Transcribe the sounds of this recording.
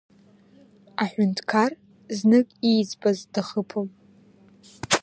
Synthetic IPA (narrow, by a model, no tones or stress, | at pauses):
aħʷᶣʊntʰkʰar | znɨkʼijd͡zʼbʼazdaχəpʰom